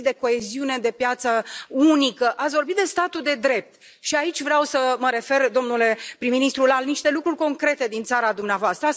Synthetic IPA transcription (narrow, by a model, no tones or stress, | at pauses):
d̪e̞ko̞e̞ziune̞d̪e̞pjat̪səunikəʔat̪sʲvo̞rbit̪̚d̪est̪at̪ud̪e̞d̪ɾe̞p̚t̪ | ʃiait͡ʃʲvɾeawsəməɾe̞fe̞rd̪o̞mnule̞pɾiminist̪ɾulaniʃt̪e̞lukɾurʲko̞ŋkɾe̞t̪e̞d̪int̪saɾad̪umneavoast̪ɾə